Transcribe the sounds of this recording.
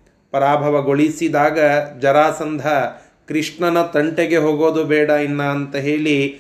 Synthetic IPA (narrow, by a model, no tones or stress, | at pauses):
pɐɾaːbʱɐʋɐɡoɭisid̪aːɡɐd͡ʒɐɾaːsɐnd̪ʱɐ | kɾiʂɳɐnɐt̪ɐɳʈeɡeɦoːɡoːd̪ubɛːɽɐinːɐːnt̪ɐɦe̞ːɭi